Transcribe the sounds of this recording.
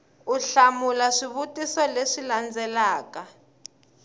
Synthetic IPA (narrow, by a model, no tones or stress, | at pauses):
uɬamulaʂiβutisɔleʂiland͡zɛlaːka